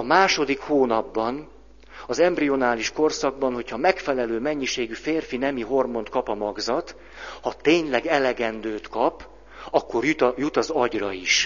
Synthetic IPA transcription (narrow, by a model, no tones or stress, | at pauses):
ɒmaːʃo̞d̪ikhoːnɒbːɒn | ɒzɛmbrio̞naːliʃko̞rsɒɡ̚bɒnho̞chɒmɛkfɛlɛløːmɛɲːiʃeːɡyfeːrfinɛmiɦo̞rmo̞nt̪kɒpɒmɒɡzɒt̪ | hɒt̪eːɲlɛɡɛlɛɡɛnd̪øːt̪kɒp | ɒkːo̞rjut̪ɒzɒɟrɒiʃ